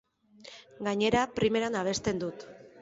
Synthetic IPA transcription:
ɡaɲe̞ɾapɾime̞ɾanaβ̞e̞st̪e̞nd̪ut̪

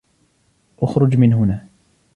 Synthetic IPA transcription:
ʔʊxɾˤʊd͡ʒmɪnɦʊnaː

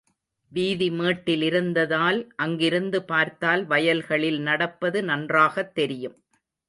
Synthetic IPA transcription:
ʋiːðimeːʈːɪlɪɾɯnd̪ɐðaːlʔɐŋɡɪɾɯnd̪ɯpaːɾt̪aːlʋɐjɐlɣɐɭɪlnɐɽɐpːɐðɯnɐndraːɣɐt̪ːɛɾɪjɯm

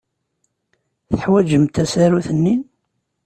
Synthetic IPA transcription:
θə̥ħwæd͡ʒəmt̪æsæɾuθənːin

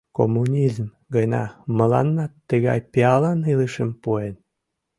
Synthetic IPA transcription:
ko̰mːunʲizm | ɡənɑ̰məlɑ̰nːɑt̪ːəɣɑ̰jpeɑlɑniləʃəmpoen

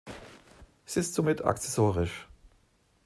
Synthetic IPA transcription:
ʔɛsɪstz̥omɪtʰa̰kt͡sɛsoːʁɪʃ

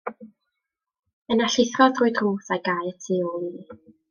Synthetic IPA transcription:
ənaɬɪθrɔðrʊːɨdruːθajɡajətʰiolˠi

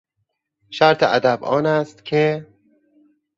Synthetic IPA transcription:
ʃæɾt̪ʰeʔæd̪æbʔɒːnæst̪cʲʰe

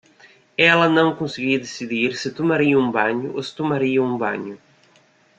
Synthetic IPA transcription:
ɛlɐnɐ̃w̃kõsɪɡid̪esiðiɾsɪt̪omaɾiɐũbaɲʊʔosɪ̥t̪omaɾiɐũbɐ̰̃ɲʊ

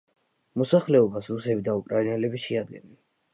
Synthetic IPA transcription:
mɔsaχlɛɔbasɾusɛbid̪aukʼɾainɛlɛbiʃɛad̪̚ɡɛnɛ

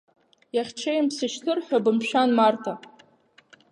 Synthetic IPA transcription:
jaχʲt͡ʃʰejmpsɨʃtʰɨrħʷᶣabɨmʃᶣanmartʰa

